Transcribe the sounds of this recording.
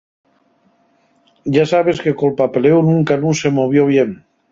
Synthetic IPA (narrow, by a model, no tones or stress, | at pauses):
ʒasaβ̞eskekolpapelewnuŋkanũsemoβ̞joβ̞jem